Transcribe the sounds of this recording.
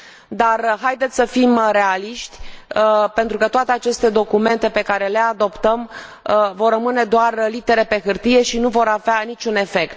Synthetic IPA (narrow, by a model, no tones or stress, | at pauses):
d̪arɦajd̪e̞t̪sʲsəfimre̞aliʃt̪ʲəpe̞nt̪ɾukət̪oat̪e̞at͡ʃe̞st̪e̞d̪o̞kume̞nt̪e̞pe̞kaɾe̞le̞ad̪o̞pt̪əm | vo̞rːəmɨne̞d̪oarlit̪e̞ɾe̞pe̞xɨrt̪ije̞ʃinuvo̞ɾaveanit͡ʃʲune̞fe̞kt̪̚